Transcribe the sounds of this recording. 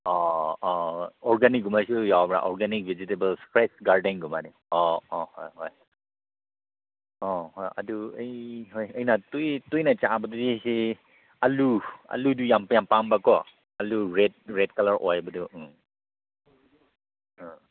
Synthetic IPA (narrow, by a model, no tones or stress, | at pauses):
ɔɔɔɹɡanik̚ɡumajsujawbɹa̰ʔɔɹɡanik̚bʱɛzitebəlspɹɛsɡaɹdɛnɡumani | ɔɔhɔjhɔj | ɔɦɔja̰duejɦɔjəjnatujtujnajt͡ʃaabɔdidise | alua̰ludujampjampambakɔ | aluɹɛt̚ɹɛt̚kalaɹɔ̰jbadu